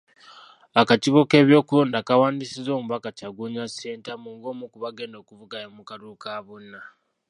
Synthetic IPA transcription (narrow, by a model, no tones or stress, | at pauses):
akaciβo̞ke̞ːβjo̞ːkuloːndakawaːndisizo̞ːmuβakacaɡuɲaseːntamuŋɡomukuβaɡe̞ːndo̞kuvuɡajomukaɾukaβunːa